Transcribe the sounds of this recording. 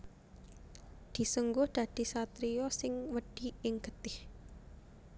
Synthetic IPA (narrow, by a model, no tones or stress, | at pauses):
d̪̥i̤səŋɡʊhd̪̥a̤d̪̥i̤sat̪ɾiɔsɪŋwəɖ̥i̤ɪŋɡ̥ət̪ɪh